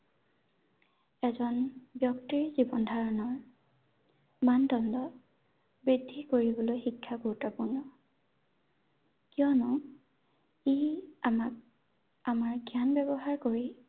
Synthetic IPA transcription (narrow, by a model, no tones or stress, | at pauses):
ɛzɔnbjɔktiɹzibɔndʱaɹɔnɔɹ | mandɔndɔ | bɹidʱːikoɹibɔlojxikʰːaɡoutɔpuɹnɔ | kijɔnɔ | iamak̚ | amaɹɡjanbɛbɔɦaɹkoɹi